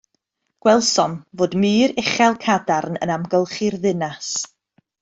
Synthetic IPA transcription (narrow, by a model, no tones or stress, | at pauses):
ɡ̥wɛlˠsɔnvoːdmɨːɾɪχɛlˠkʰadarnə̰namɡəlˠχirðɪnas